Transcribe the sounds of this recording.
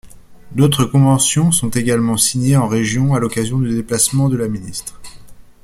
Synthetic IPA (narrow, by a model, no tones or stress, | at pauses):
d̪ot̪χəkɔ̃vɑ̃sjɔ̃sɔ̃t̪eɡalmɑ̃siɲeɑ̃ʁeʒjɔ̃alɔkazjɔ̃d̪yd̪eplasmɑ̃d̪əlaminist̪χ